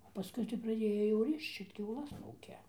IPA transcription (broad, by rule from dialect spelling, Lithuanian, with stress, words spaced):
pɐˈskʊɪ tɐɪ prɐˈdʲeːjoː jɛʊ ˈrʲɪʃt͡ʃ ɪr kʲɛʊˈlˠɐs ˈuːkʲɛ